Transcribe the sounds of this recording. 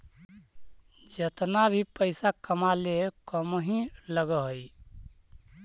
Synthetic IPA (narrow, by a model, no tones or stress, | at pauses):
d͡ʒət̪nabʱipəɪsakəmalekəmɦĩləɡəɦəj